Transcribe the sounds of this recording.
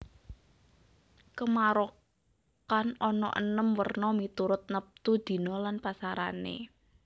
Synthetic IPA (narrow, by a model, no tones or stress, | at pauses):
kəmaɾo | kanɔnɔ̰ʔə̰nəmwərnɔmit̪uɾʊt̪̚nəp̚t̪ud̪̥i̤nɔlanpasaɾa̰nḛ